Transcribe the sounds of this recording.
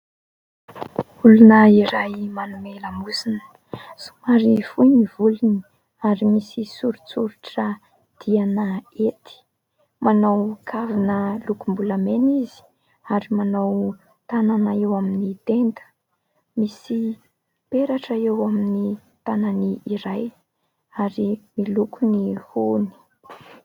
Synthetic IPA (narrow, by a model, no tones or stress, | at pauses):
ulunəiɾajmanumeləmusinə̥ | su̥maɾivujnivuluni | aɾimisisuɾuit͡suɾuʈ͡ʂə | d̪̥ianəet̪i̥ | manawkʰavinəlukumbulamenizi̥ | aɾimanaw | t̪ananaewaminit̪end̪ə̥ | misi | peɾaʈ͡ʂəewamini | t̪ananiiɾaj | aɾimilukʰunihuni̥